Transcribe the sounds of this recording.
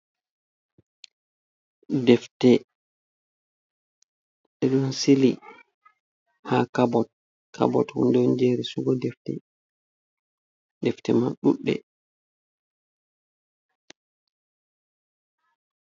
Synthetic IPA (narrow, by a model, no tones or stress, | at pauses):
dɛftɛ | ɓɛɗunsili | hakabɔt̚ | kʰa̰bɔ̰thṵndɔnd͡ʒeɾisuɡɔdɛftɛ | dɛftɛmaɗṵɗːɛ̰